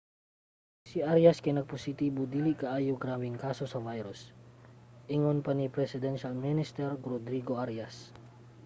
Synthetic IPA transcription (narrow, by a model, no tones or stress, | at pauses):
siʔaɾjaskɐjnɐɡ̚posit̪iːbod̪iːliʔkaʔaːjuɡɾaːmiŋkaːsosɐvajɾʊs | ʔiŋonpɐnipɾɛsɪd̪ɛnʃalminɪst̪ɛɾɾod̪ɾiɡoʔaɾjas